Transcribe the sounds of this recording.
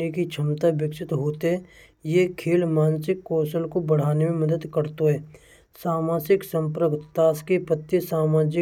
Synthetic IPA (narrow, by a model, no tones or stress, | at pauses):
ikit͡ʃʰəmt̪abɪkʃɪt̪ɦoːt̪eɦɛ | jekʰeːlmaːnsɪkːɔːsəlkobəɽ̤aːnemẽməd̪əd̪kəɾt̪oɦɛː | saːmaːsɪksə̃mpɾəɡt̪t̪aːskipət̪ːisaːmaːd͡ʒɪ